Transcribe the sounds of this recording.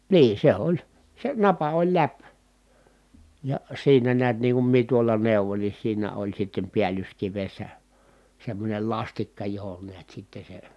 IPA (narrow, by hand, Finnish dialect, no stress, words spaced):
niːn̞ se olʲ se nɑpɑ olʲ læp jɑ siːnæ niæt niːŋ kum mie tuolɑ neuʋoĭn ni siːnæ olʲ sitːem piælyskiʋesːæ semːonʲel lɑstikːɑ johon niæt sitːe se